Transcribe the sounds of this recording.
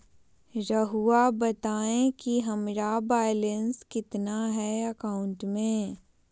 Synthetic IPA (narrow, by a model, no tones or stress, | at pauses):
ɾɐɦuabɐt̪aːẽkiɦɐmɾabaːjlenskɪt̪naɦɛɐkaːʊ̃ɳʈmẽː